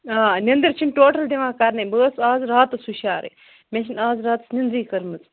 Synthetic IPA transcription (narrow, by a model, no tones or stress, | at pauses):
aːnʲɐnd̪ɐɾt͡ʃʰinʈoːʈɐld̪iʋãːkaːɾnɐbəːsaːzɾaːt̪ɐsuʃaːɾḛ | meʃ̬inaːzɾaːt̪ɐ̥snɐnd̪ɾiːkɐɾmɐt͡s